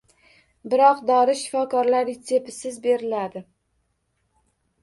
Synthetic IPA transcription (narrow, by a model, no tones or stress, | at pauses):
bɪɾɒqd̪ɒɾɪʃɪ̥fɒkɒɾlaɾɪsʰe̞pʰɪsɪzbe̞ɾɪlad̪ɪ